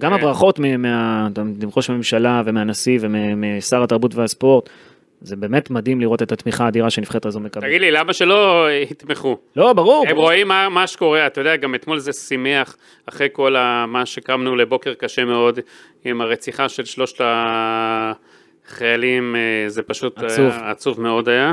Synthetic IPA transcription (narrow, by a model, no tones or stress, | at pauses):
ɡamabʁaχo̞tmemeatdimχoʃeme̞mʃalave̞meanasivememesaʁat̪aʁbutveaspo̞ʁt̪ | ze̞be̞ːme̞tmadimliʁo̞te̞t̪at̪miχaːdiʁaʃe̞nifχetazonmekabaɡid̪lilamaʃelo̞hit̪meχulo̞baʁuʁemʁoimːamaʃe̥ko̞ʁeat̪ajodeaɡamet̪mo̞lzesimeaχ | aχʁejko̞lamaʃekamnule̞bo̞ke̞ʁkaʃe̞me̞o̞d̪ | imaʁet͡siχaʃe̞lʃlo̞ʃta | χajalimzepaʃut̪uvat͡suvmeo̞d̪aja